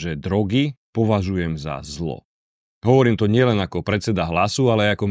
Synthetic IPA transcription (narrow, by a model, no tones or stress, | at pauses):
ʒɛd̪ɾɔɡipɔʋaʒujɛmza̰zlɔ̰ | ɦɔʋɔɾiːmt̪ɔɲɪɛlɛnakɔpɾɛt͡sɛd̪aɦlasualɛajakɔ